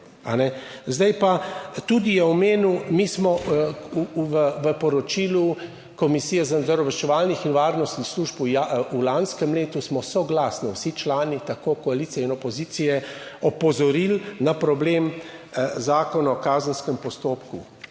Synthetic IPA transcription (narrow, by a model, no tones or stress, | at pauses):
a̰nɛzd̪ajpat̪ud̪ijɛɔmeːnumismɔuʋəʋəpɔɾɔt͡ʃiːlu | kɔmisiːjɛzanzəɾɔʋɛʃt͡ʃɛʋaːlnixinʋaːɾnɔst̪nixsluːʒpujaulanskəmleːt̪usmɔsɔɡlaːsniwsit͡ʃlaːnit̪akoːkɔaliːt̪siɛinɔpɔziːt̪sijɛɔpɔzɔɾilnapɾɔbleːm | zaːkɔnaɔkaːzənskəmpɔst̪oːpkṵ